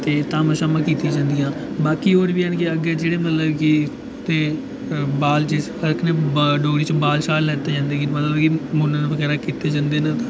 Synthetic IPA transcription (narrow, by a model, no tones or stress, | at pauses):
t̪eːt̪ãːməʃaːmãːkiːt̪ĩaːd͡ʒãːnd̪ɪjãːbaːkiːoːɾʋiːənkiəɡeːd͡ʒeːɽeːmət̪ləbki | t̪eː | baːlt͡ʃe | əɾkʰneːɖoːɡɽiːt͡ʃbaːlʃaːlːɛːt̪eːd͡ʒãːnd̪eːkimət̪ləbkimʊnəfəkɛːɾaːkiːt̪eːd͡ʒãːnd̪eːnat̪aː